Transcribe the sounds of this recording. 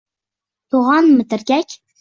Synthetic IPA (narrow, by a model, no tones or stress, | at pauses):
t̪ʰoʁɑnmɘ̆t̪ɘ̆ɾɡʲækʲ